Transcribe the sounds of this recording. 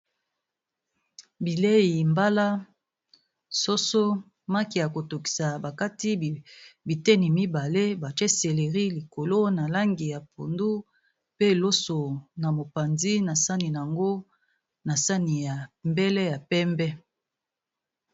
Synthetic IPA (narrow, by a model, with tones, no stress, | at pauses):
bi˨le˦i˨mba˦la˦ | so˦so˦ | ma˦ki˨ja˨ko˨to˨ki̥˨sa˨ba˨ka˦ti˦˨bi˨tɛ˦ni˨mi˦ba˨le˦ba˨t͡ʃe˦se˨le˨ʁi˦li˨ko˨lo˦na˨la˦ŋɡi˨ja˨po˨ndu˦ | pe˦˨lo˦so˨na˨mo˨pa˨nzi˦na˨sa˦ni˨n˨a˨ŋɡo˦ | na˨sa˦ni˨ja˨mbɛ˦lɛ˦ja˨pɛ˦mbɛ˦